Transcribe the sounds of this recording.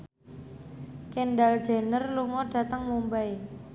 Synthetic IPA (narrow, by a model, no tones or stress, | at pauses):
kenɖald̥d͡ʒ̥e̤nərluŋɔɖ̥ä̤t̪əŋmumbaj